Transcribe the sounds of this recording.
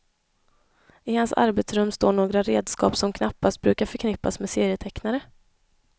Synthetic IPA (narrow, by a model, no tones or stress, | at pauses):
ɪhansa̰ɾbɛt̪sɾɵmːst̪oːɳoːɡɾaɾeːd̪skɑ̰ːpsɔmkʰnapːast̪̚bɾʉ̟ːkaɾfœɾkʰnɪpːasmeːseːɾɪjət̪ʰɛknaɾə